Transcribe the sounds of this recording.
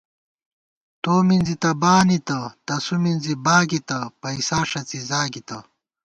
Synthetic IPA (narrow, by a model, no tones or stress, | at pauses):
t̪oːminzit̪ɐbaːnit̪ɐt̪ɐsuminzibaːɡit̪ɐpɐisaːʂɐt͡sizaːɡit̪ɐ